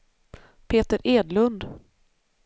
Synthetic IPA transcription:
pʰeːt̪əɾʔeːd̪lɵnd̪

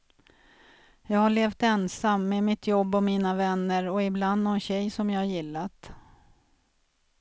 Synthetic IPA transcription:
jɑːɡhaɭeːft̪ɛnsamːemɪt̪jɔbːɔmiːnavɛnːəɾɔɪbland̪nɔnɕɛjsɔmjɑːhaɾjɪlːat̪

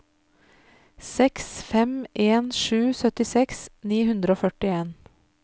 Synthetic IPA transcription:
sɛksfɛmʔeːnʃʉːsœt̪ɪsɛksniːhʉnd̪ɾəoːfœʈɪeːn

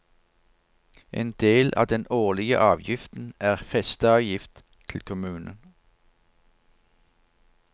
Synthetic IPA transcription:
ʔḛːnd̪eːlʔɑ̰ːd̪ɛnoːʁlɪɡə̰ʔɑːʋjɪft̪n̩æːʁfɛst̪əɑːʋjɪft̪ʰ | ɪl̩kʰʊmʉːnən

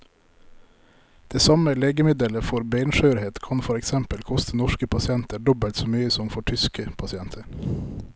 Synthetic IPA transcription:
d̪̥eːsɑməleːɡəmɪd̪ələfɔɾbeɪnʃœʉɾheːt̪kʰɑnfɔɾɛksɛmpəlkʰɔst̪ʰənɔʃkəpʰɑsɪɛnt̪əɖɔbəlt̪soːmyːəsɔmfɔʈʰʏskəpʰɑsɪɛnt̪ʰəɾ

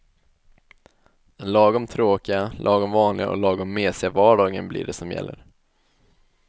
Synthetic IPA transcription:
d̪ɛnlɑːɡɔmt̪ʰɾoːkɪɡalʔɑːɡɔmvɑːnlɪɡa̰ʔɔ̰lɑːɡɔmːeːsɪavɑːɖɑːɡənblɪ̰ːɖɛsɔmjɛ̰lːəɾ

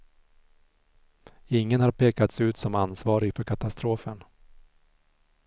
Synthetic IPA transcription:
ɪŋːənhaɾpʰeːkat̪sʉ̟ːt̪sɔmansvɑːɾɪɡfœɾkʰat̪ast̪ɾoːfən

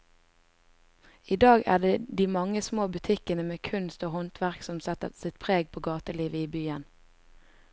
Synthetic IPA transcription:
iːd̪ɑːɡæ̰ːɖeːd̪iːmɑŋəsmoːbʉt̪ʰɪkənəmeːkʰʉnst̪oːhɔnt̪ʰʋæʁksɔmsɛt̪əsɪt̪pʰʁeːɡ̚pʰoːɡɑːt̪əliːʋəiːbyːən

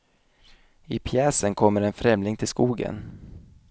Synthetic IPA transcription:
ɪpʰjɛːsənkʰɔmːəɾɛnfɾɛmlɪŋt̪ʰɪlskuːɡə̰n

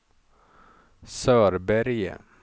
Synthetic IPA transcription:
sœːɾbæɾjə̰

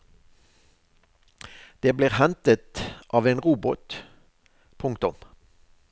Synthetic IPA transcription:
d̪̥eːbliːʁhɛnt̪ət̪ʔɑːʋeːnʁuːbʊt̪ | pʰʊŋk̚t̪ʊm

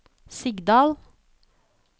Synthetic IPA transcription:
sɪɡd̪ɑːl

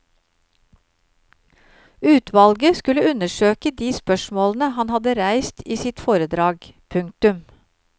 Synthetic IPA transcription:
ʉːt̪ʰʋɑlɡəskʉləʉnəʃøːkəd̪iːspœʃmoːlnəhɑnhɑd̪əɾæɪst̪ʰiːsɪt̪foːɾəd̪ɾɑːɡpʰʉŋt̪ʉm

